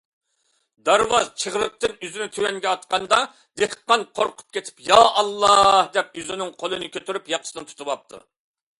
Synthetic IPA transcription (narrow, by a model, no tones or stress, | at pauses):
d̪ɑɾwɑzt͡ʃʰəʁɾəq̚t̪ɨnyzynɪk̪ʲʰøwɛŋɡʲɛɑt̪qʰɑnd̪ɑ | d̪ehqːɑnqʰoɾqʰʊ̥p̚kʲet̪ʰɪ̥pjɑɑlˠːɑhd̪ɛp̚yzynɪŋqʰolˠɨnɨkʲʰøt̪ʰyɾypjɑqʰə̥sɨnɨnt̪ʰu̥t̪ʰubɑp̚t̪ʰṵ